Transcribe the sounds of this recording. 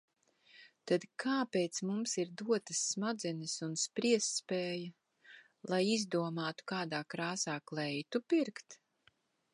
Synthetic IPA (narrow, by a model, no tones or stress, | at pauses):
t̪ad̪kʰaːpeːt̪smumsiɾd̪uɔt̪ɐsːmad̪zɛnɨsunspɾiɛsːpeːjɐ | lˠajizd̪uɔmaːt̪u̥kaːd̪aːkɾaːsaːklˠɛjt̪upiɾkt̪